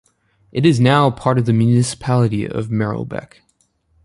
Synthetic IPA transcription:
ʔɨɾɨznaʊpʰɑɹɾʌvðɨmjʉnɨsə̥pʰælˠəɾḭʌ̰vmɛɹo̰ʊbɛ̰k

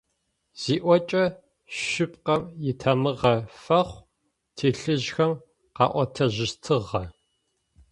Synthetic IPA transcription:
z̥iːʔʷɔt͡ʃʼɐ | ʃɪp̚ʼqɐmjɪtʰɐmɨʁɐfɐχʷ | tʰeːɬɨʑxɐm | qɑ̰ːʔʷɔtʰɐʑɪstʰɨʁɐ

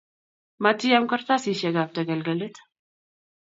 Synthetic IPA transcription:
mɐt̪ːijamkɐɾt̪asiʃɛɡab̚t̪ʰəɡəlɡəlɨt̪

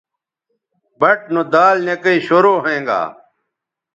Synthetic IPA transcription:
bɐʈ̚nod̪aːlnekɐiːɕoɾoːɦẽːŋɡa̰ː

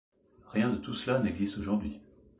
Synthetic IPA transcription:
ʁjɛ̃d̪ət̪uslanɛɡzist̪oʒuʁd̪ɥi

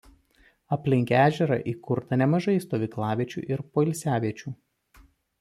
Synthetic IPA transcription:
ɐpʲlʲɪŋʲkʲæːʒʲɛɾɐ̰ʔiːkʊɾt̪ɐnʲɛmɐʒɐɪst̪oːʋʲiːklˠɑːʋʲiɛt͡ʃʲṵːʔɪɾpoːɪlʲsʲæːʋʲiɛt͡ʃʲuː

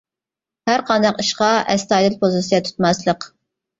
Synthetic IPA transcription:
hæɾqʰɑnd̪ɑqiʃqɑʔɛst̪ɑd̪ɨlpʰozɨsijɑt̪ʰu̥t̪mɑslˠəq

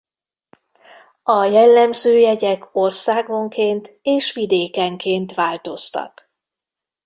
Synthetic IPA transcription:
ɒjɛlːɛmzøːjɛɟɛko̞rsaːɡo̞ŋkeːnt̪ | eːʃʋid̪eːkɛŋkeːnt̪ʋaːlt̪o̞st̪ɒ̰k

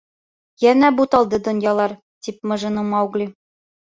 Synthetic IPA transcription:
jænæbut̪ɑlˠd̪ɤd̪ŏnjɑlˠɑɾ | t̪ip̚mɤ̆ʒɤ̆nɤmɑwɡlʲi

